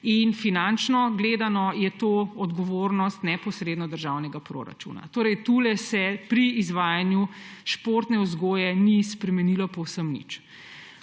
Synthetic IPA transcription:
infinant͡ʃnɔɡleːd̪anɔjɛt̪oɔd̪ɡɔʋoɾnɔst̪nɛpɔsɾeːd̪nɔd̪əɾʒawnɛɡapɾo̰ːɾa̰t͡ʃṵːna̰t̪oːɾɛjt̪uːlɛsɛpɾiːzʋaːjanjuʃpoɾt̪nɛuzɡoːjɛnispɾɛmɛnilɔpɔwsəmnḭt͡ʃ

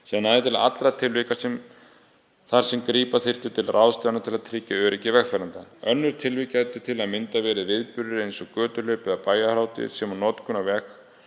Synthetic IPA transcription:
siðanaðɪt̪ʰɪla̰t̪lɾat̪ʰɪlvɪkasɛm | θaɾ̥sɛmkɾiːpaθɪr̥t̪ʏt̪ʰɪlrʔawst̪anat̪ʰɪlaðt̪ʰɾɪːcaœːɾɛcːɪvɛxfɛɾant̪aœnːʏɾ̥t̪ʰɪlvɪcajt̪ʏt̪ʰɪlaðmɪnt̪avɛːɾɪðvɪðpʏɾðɪɾejnsɔkœːt̪ʏlœɥpɛðapaːjahɾaːwt̪ɪ̰sɛmanɔːt̪kʰʏnavɛx

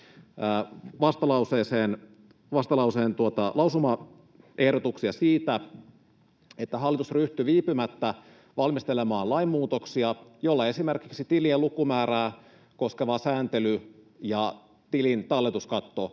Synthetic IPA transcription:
æːʋɑst̪ɑlɑuseːseːn | ʋɑst̪ɑlɑuseːnt̪uot̪ɑlɑwsumɑ | ʔe̞hdot̪uksiɑsiːt̪æ | et̪ːæɦɑlːit̪usryht̪yʋiːpymæt̪ːæ | ʋɑlmist̪elemɑːlɑimːuːt̪oksiɑjolːɑe̞simerkiksit̪ilielukumæːɾæː | ko̞skeʋɑsæːnt̪ely | jɑ | t̪ilint̪ɑlːet̪uskɑt̪ːo

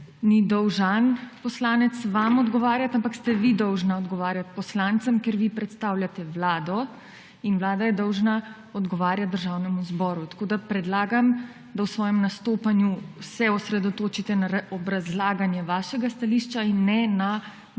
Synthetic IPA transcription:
nid̪ɔwʒanpɔslaːnɛt̪sʋamɔd̪ɡɔʋaːɾjat̪ampakst̪ɛʋid̪ɔwʒnaɔd̪ɡɔʋaːɾjat̪pɔslaːnt̪sɐmkjeɾʋipɾɛt̪st̪aːwlʲjat̪ɛʋlaːd̪ɔ | inʋlaːd̪ajɛd̪ɔwʒna | ɔd̪ɡɔʋaːɾjat̪̚d̪əɾʒawnɛmuzbɔːɾut̪ḁkoːd̪apɾɛd̪laːɡam | d̪awsʋɔːjɛmnast̪oːpanjusɛɔsɾɛd̪ɔt̪oːt͡ʃit̪ɛnaɾaɔbɾazlaːɡanjɛʋaːʃɛɡast̪aliːʃt͡ʃainːɛna

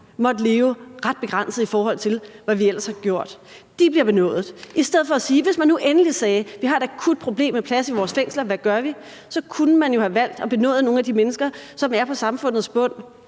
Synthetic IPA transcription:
mɒ̽d̥le̝ːʊʁäd̥̚b̥e̝ɡ̥ʁɑ̈n̰səð̩ˠifɒːɦɒ̽l̰t͡sʰe̝lʋæʋiel̰ɐshɑ̈ɡ̥jo̝ɐ̰d̥ | d̥ib̥liɐb̥e̝nɔ̰̽ːð̩ˠʔisd̥eð̞̰ˠfɒ̽ːsiːʋe̝smænːuʔenəlisɛːʋihɑ̈e̝ɾ̥ækʰud̥̚pʰʁo̝b̥le̝̰ːmːepʰlæsiʋɒːsfeŋ̰slɐʋæɡ̥ɶɐʋi | sɒ̽kʰunəmænjo̝hæʋæl̰d̥ɒ̽b̥e̝nɔ̰̽ːð̩ˠno̝ːŋ̩næd̥imenəsɡ̥ɐsɒ̽mæɐpʰɒ̽sɑ̈mfɔ̽n̰ð̩ˠsb̥ɔ̽n̰

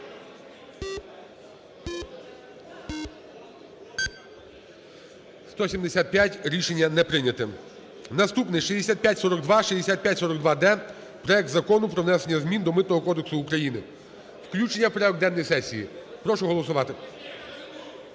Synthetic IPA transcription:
st̪ɔsʲimd̪esʲat̪̚pʲjatʲɾʲiʃe̞nʲːɐnɛpɾɪnʲɐt̪ɪ | nɐst̪upnɪʃizʲd̪esʲat̪̚pʲjatʲsɔɾɔɡd̪ʋɑʃizd̪esʲat̪̚pjatʲsɔɾɔɡd̪ʋɑd̪ɛ | pɾɔjɛk̚t̪zɐkɔnʊpɾɔʋnɛsenʲːɐzmʲind̪ɔmɪt̪̚nɔɦɔkɔd̪eksʊːkɾɐjinɪ | wklʲut͡ʃenʲːɐwpɾɛɔɡd̪ɛnːɔjsɛsʲijḭpɾɔʃʊɦɔlˠɔsʊʋɑt̪ɪ

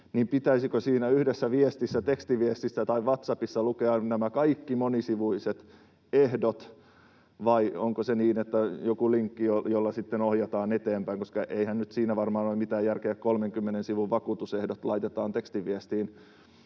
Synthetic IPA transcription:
nimpit̪æisikosiːnæyhdesːæʋiest̪isːæt̪ekst̪iʋiest̪isːæt̪ɑiʋʋɑt̪sɑpisːɑlukeɑnnæmækɑikːimonisiʋuiset̪ | ehdot̪ | ʋɑioŋkoseniːnet̪ːæjokuliŋkːijojolːɑsit̪ːenohjɑt̪ɑːnet̪eːmpæiŋkoskɑʔeihænnyt̪siːnæʋɑrmɑːnolimit̪æːjjærkeækkolmeŋkymːenensiʋuʋʋɑkuːt̪usehdot̪lɑit̪et̪ɑːnt̪ekst̪iʋiɛst̪iːn

